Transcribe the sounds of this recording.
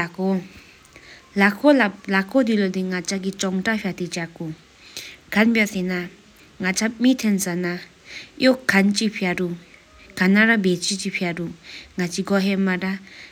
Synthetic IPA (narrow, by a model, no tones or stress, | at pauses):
ako | lakʰolalakod̪ilod̪iŋat͡ɕʰakit͡ɕɔŋʈ͡ʂaɕʰat̪et͡ɕako | kʰanpasena | ŋat͡sʰamit̪ʰensana | jokʰːant͡ɕipʰaɾu | kanaɾabet͡ɕit͡ɕipʰaruŋat͡ɕiɡɔɦemaʈ͡ʂa